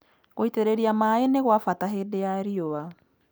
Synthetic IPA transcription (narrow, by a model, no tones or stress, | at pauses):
ɣoiteɾeɾiamaeneɣwafataɦeːdejaeɾioβa